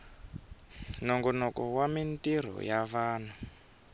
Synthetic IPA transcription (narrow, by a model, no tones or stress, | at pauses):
nɔŋɡɔnɔkɔwamintiɾ̤ɔ̰javaːn̤u